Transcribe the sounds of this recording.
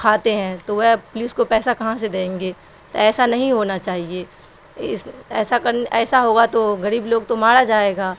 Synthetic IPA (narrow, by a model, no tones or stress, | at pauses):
kʰaːt̪eɦɛ̃t̪oʋɐɦpʊlɪskopɛːsakɐɦãs̬ed̪ẽẽːŋɡeː | t̪o̰ɛːsanɐɦĩɦoːnat͡ʃaːɦieː | ɪsɛːsakɐɾnɛːsaɦoːɡat̪oɣɐɾiːbloːɡt̪omaːɽad͡ʒaːeːɡaː